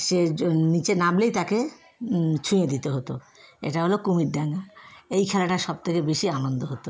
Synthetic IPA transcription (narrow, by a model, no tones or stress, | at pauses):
ʃenit͡ɕenablejt̪ake | t͡ɕʰũed̪it̪eɦot̪o | ḛʈaɦolokumiɖɖaŋaejkʰɛlaʈaʃɔb̚t̪ʰekebeʃianond̪oɦot̪o